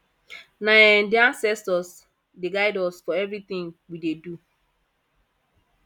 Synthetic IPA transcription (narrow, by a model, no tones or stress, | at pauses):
naɛndiãnsɛstɔs | dɪɡaɪdɔlsfɔɛvɾit̪ɪ̃ŋwidedu